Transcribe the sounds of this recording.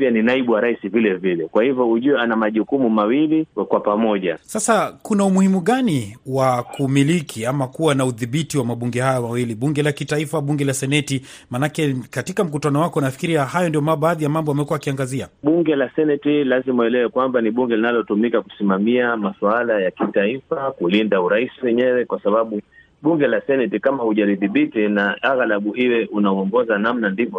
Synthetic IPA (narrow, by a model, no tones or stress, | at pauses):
paninaiɓuwaɾaisivilɛvilɛkwahivɔuʄuɛanamaʄukumumawilikwapamɔʄa̰sasakunaumuhimuɠaniwakumilikʰiamakuwanauðiɓitiwamaɓuŋɡɛhajamawiliɓuŋɡɛlakitaifaɓuŋɡɛlasɛnɛti | manakɛkatikam̩k̬utanɔwakɔnafi̥kiɾiahajɔndijɔmaɓaːðijamambɔamɛkuaakiaŋɡaziaɓuŋɡɛlasɛnɛtilazimaɛlɛwɛkwambaniɓuŋɡɛlinalɔtumikaku̥simamiamaswalajakitaifakulindauɾaisiwɛɲɛwɛkwasaɓaɓu | ɓuŋɡɛlasɛnɛtikamahuʄaɾiðiɓitinaaɣalaɓuiwɛʔunaɔŋɡɔzanam̩nandivɔ